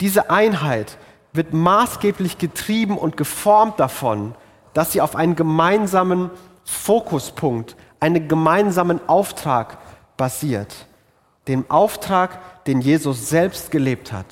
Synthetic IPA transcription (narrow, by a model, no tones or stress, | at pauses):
d̥iːzəʔaɪnɦaɪt | v̥ɪɐtmaːsɡ̥eːplɪçɡ̥ətʁ̥iːbm̩ʔʊ̰ntɡ̥əfɔɐmt̚d̥afɔn | d̥asz̥iːaʊfʔaɪnənɡəmaɪnzaːmən | foːkʰʊspʰʊŋkt | ʔaɪnənɡəmaɪnzaːmənʔaʊftʁ̥aːk | b̥aziːɐt | d̥eːmʔaʊftʁ̥aːkd̥eːnjeːzʊsz̥ɛlpst̚ɡ̥əleːp̚tha̰t